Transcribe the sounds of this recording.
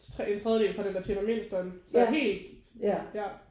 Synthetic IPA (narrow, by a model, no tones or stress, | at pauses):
ent͡sʰʁɛðˠjəde̝ːlfʁɑ̈d̥end̥æɐt͡sʰenɐme̝n̰sd̥ɒnsɒɦe̝̰ːld̥ | jæ